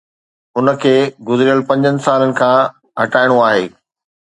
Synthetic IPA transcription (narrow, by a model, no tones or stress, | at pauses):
ʊnə̆kʰeːɡʊzɪɾijəlpɐ̃ɲd͡ʑənɪ̆saːlənɪ̆kʰãː | ɦɐʈaːɪɽ̃oaːɦeː